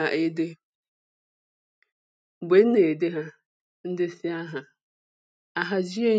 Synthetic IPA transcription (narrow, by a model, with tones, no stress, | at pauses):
a˨ʔe˦de˦˨ | bʷe˨n̩˦ne˨de˦ɦa˦ | n̩˦dɪ˦sɪ˦a˦ɦa˨ | a˨ɦa˦d͡ʒi˦e˦